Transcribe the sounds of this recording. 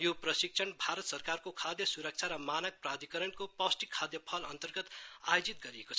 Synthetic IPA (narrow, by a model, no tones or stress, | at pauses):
joprʌsik̚t͡sʰʌnbʱaɾʌt̪sʌrkarkokʰad̪jʌsuɾʌk̚t͡sʰaɾʌmanʌk̚prad̪ikʌɾʌnkopʌsʈikʰːad̪jʌpʰʌlʌ̰nt̪ʌrɡʌt̪ajod͡zit̪̚ɡʌɾiekot͡sʰ